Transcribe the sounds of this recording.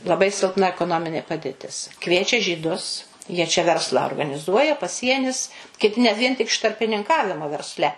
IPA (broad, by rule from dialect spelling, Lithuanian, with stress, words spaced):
lˠɐˈbɐɪ sʲɪlˠˈpnɐ ɛkoːˈnoːmʲɪnʲeː pɐdʲeːˈtʲɪs ˈkʋʲiɛt͡ʃʲɛ ʒʲiːˈdʊs jiɛ t͡ʃʲɛ ˈʋʲɛrslˠɑː oːrɡɐnʲɪˈzuɔjɛ pɐˈsʲiɛnʲɪs kʲɪˈtʲɪ nʲɛt ˈʋʲiɛn ˈtʲɪk ɪʃ tɐrʲpʲɪnʲɪŋˈkɑːʋʲɪmoː ʋʲɛrʲˈsʲlʲɛ